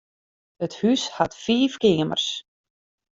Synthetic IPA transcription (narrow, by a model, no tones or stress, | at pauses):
əthyshatfiːfkɪəmə̰rs